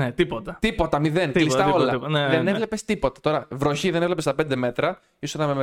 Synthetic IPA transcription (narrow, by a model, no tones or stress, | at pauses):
net̪ipot̪ɐt̪ipo̞t̪ɐmiðe̞nlist̪ɐo̞lɐnðenevle̞pe̞st̪ipo̞t̪ɐ̥t̪o̞ɾɐvɾoçiðenevlepest̪ɐpe̞nd̪e̞me̞t̪ɾɐ | isosnɐme